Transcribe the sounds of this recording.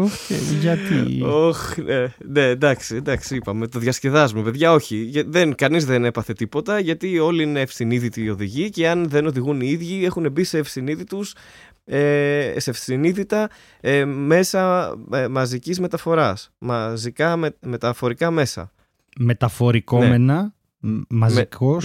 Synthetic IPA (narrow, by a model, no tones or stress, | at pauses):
oeʝɐt̪ḭoçnene̞ːnd̪ɐksiend̪ɐksiipɐme̞t̪o̞ðʝɐsce̞ðɐzmepe̞ðʝɐo̞çiʝɐðenkɐnizðe̞ne̞pɐθe̞t̪ipo̞t̪ɐʝɐt̪io̞liine̞ːfsθiniðit̪iːo̞ðiʝiɐceɐnðe̞no̞ðiɣuniiðʝie̞xune̞bise̞ːfsθiniðit̪us | esefθiniðit̪ɐ | me̞sɐmɐzicizme̞t̪ɐfo̞ɾɐsmɐzikɐmeme̞t̪ɐfo̞ɾikɐme̞sɐ̰ | me̞t̪ɐfo̞ɾikoneme̞nɐ | mɐziko